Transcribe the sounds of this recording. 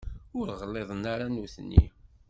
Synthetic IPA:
ʊɾʁəlːeðˤnaɾanuθnːḭ

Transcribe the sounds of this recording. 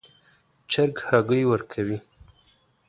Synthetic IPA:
t͡ʃaɾɡhaɡəjwəɾkʰawi

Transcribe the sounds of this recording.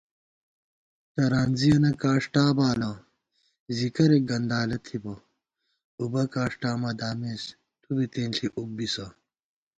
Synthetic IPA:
t̪ɐɾaːnzijɐnɐkaːʂʈaːbaːlɐ | zikɐɾek̚ɡɐnd̪aːlɐt̪ʰibɐ | ubɐkaːʂʈaːmɐd̪aːmeːs | t̪ubit̪eːnɬʰiʔuk̚bisɐ

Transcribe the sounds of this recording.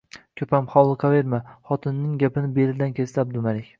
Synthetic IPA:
kʲʰɵpʰamχɒwlˠɨqʰɑveɾmaχɒt̪ʰɪnːɪŋɡʲapɪnɪbelɪd̪ankʲʰe̞st̪ab̚d̪ʊmaɾekʲ

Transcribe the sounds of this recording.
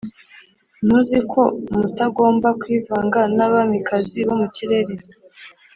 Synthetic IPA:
nuzikʰo̞mutaɡo̞ːmbakwiːvaːŋɡanaβamikaziβo̞muciɾe̞ɾe

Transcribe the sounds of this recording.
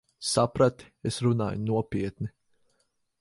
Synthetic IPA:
sapɾat̪i̥esɾuna̰ːjnuɔpʲiɛt̪ni

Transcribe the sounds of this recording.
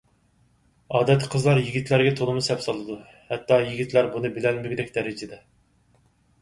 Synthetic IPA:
ɑːd̪ɛt̪ʰːqʰəzlˠɑɾjiɡʲit̪ʰlæɾɡʲɛt̪ʰolˠɨmusɛpsɑlˠɨd̪u | hɛt̪ʰːɑjiɡʲit̪ʰlæɾbunɨbɪlɛnmɪɡʲd̪ɛkʲd̪ɛɾɪd͡ʒɪd̪ɛ

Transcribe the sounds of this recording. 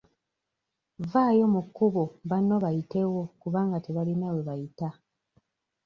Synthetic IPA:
vaːjo̞mukːuβoβano̞βajite̞wo̞kuβaːŋɡate̞βalinawe̞βajita

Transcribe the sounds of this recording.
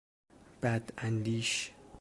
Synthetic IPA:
b̥æd̪ænd̪iːʃ

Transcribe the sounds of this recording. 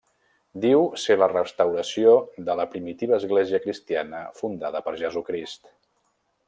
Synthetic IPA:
d̪iwselərəst̪əwɾəsioðələpɾimit̪iβ̞əːzɣleziəkɾist̪ianəfund̪aðəpəɾʒəzukɾist̪

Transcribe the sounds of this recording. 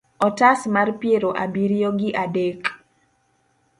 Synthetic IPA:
ɔtasmarpjeɾoʔabiɾjoɡɪʔadek

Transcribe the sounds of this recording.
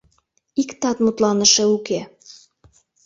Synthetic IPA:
ikt̪ɑt̪mut̪lɑnəʃɤuke

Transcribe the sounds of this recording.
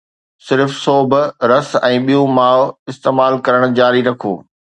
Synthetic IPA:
sɪɾfsoːbʱɾɐsɛ̃ːɓijõmaːɪst̪eːmaːlkɐɾəɽ̃d͡ʑaːɾiɾɐkʰo̰ː

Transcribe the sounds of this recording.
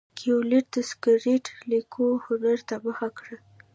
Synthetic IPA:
kʰioliʈ̚d̪̥əskəɾiʈlikʰohʊnaɾt̪abəxakɽə

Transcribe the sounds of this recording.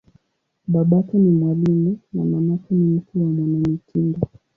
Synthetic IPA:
ɓaɓatɔnimwalimunamamatɔnim̩kuwamwanamitʰindɔ

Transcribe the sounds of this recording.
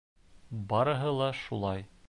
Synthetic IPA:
bɑɾɤ̆ɦɤlˠɑʃulˠɑj

